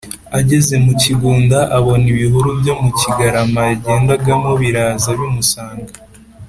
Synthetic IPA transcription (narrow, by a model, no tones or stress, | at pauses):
aɟe̞ze̞muciɡuːndaʔaβo̞niβiɦuɾubjo̞muciɡaɾamajaɟe̞ːndaɡamo̞βiɾaːzaβjumusaːŋɡa